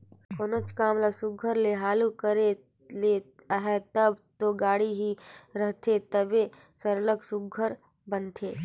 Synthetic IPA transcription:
konot͡ʃkaːmlasʊɡʱəɾleɦaːlukəɾe | le | ɦɛt̪əbt̪oɡaːɽiɦiɾəɦt̪ʰet̪əbe | səɾləksʊɡʱəɾ | bənt̪ʰeː

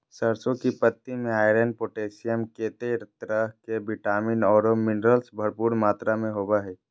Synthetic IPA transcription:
səɾsõkipət̪ːimẽaːɪɾenpoːʈeːsijəmkeːt̪eɾt̪ɾəɦkebɪʈaːminɔːɾomɪnɾəlsbʱəɾpuːɾmaːt̪ɾamẽɦoːbaɦɛː

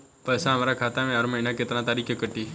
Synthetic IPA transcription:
pəjsãəmaɾakʰat̪amẽaɾməɦinaket̪nãt̪aːɾikʰekəʈːi

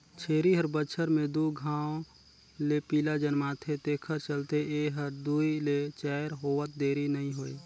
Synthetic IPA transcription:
t͡ʃʰeːɾiɦəɾbət͡ʃʰəɾmẽd̪uɡʱaːõ | lepiːlad͡ʒənmat̪ʰet̪eːkʰəɾt͡ʃəlt̪eeɦəɾd̪uilet͡ʃɛːɾɦoːʋət̪̚d̪eːɾinəɦĩɦoːe

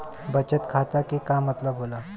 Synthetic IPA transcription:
bət͡ɕət̪kʰat̪akikamət̪labʱola

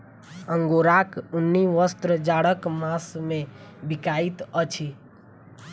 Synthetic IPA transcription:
əŋɡoɾakʊnːiʋəst̪ɾəd͡ʒaɽəkmasmẽbikait̪ət͡ʃʰi

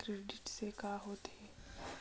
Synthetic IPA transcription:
kɾeːɖɪʈsekaːɦoːt̪eː

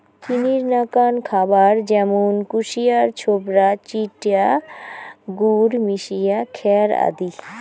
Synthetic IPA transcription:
kiniɾnakankʰabaɾd͡ʑɛmonkuʃijaɾt͡ɕʰobɾat͡ɕiʈja | ɡuɾmiʃijakʰɛɾa̰d̪i

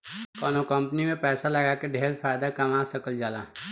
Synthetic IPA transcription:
kɔːnokɐ̃mpnimẽpɛːsalɐɡaːkeɖʱeːɾfʰaːjd̪akɐmaːsɐkəld͡ʒaːlaːɦ

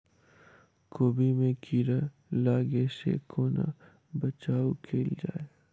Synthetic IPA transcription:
koːbimẽkʰiɾa | laːɡesḛkʰoːna̰ | bɐt͡ʃaːukʰeːld͡ʒa̰ːe

